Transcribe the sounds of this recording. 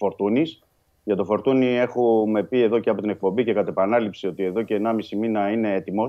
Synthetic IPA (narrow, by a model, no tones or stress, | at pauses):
fo̞ɾt̪unis | ʝɐt̪o̞fo̞ɾt̪unie̞xume̞pie̞ðo̞ceɐpo̞t̪ine̞k̚po̞mbice̞kɐt̪epɐnɐlipsio̞t̪ie̞ðo̞ce̞ːnɐmisiminɐine̞et̪imo̞